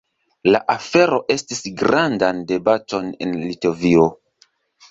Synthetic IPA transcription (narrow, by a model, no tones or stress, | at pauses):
laʔafe̞ɾo̞ʔe̞stisɡɾandande̞bato̞nḛnlito̞vio̞